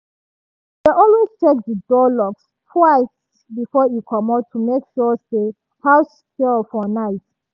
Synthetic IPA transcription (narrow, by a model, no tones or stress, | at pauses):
ðeʔɔlwez̥t͡ʃʰek̚dədɔlɔks | tʰwaɪs | bifɔjukʰɔmatʰumekʃɔse | haws | kelfɔnaɪt